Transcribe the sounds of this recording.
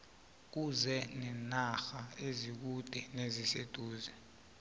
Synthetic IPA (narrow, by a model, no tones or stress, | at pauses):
k̬uzɛnɛnaxaezik̬ud̥ʱɛnezised̥ʱuːzɛ